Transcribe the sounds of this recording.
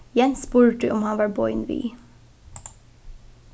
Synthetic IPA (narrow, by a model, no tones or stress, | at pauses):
jɛnspuːɹəɖʉːʔɔmhɑnʋɑːɹbɔʏnʋḭː